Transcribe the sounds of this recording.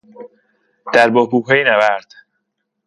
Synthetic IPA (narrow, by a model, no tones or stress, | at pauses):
d̪̥æɾbohbuːɦejnæbæɾd̪̥